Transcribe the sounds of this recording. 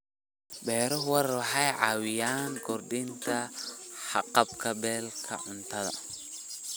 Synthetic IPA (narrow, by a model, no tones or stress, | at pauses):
bɛːɾɔwɐɾɐħɑjʕɑwɪjaːŋkʰɔrɖɪnt̪ʰɐħɑqɑbkʰɐbɛːlkʰɐ̰ʕʊnt̪ʰɐðɐ̰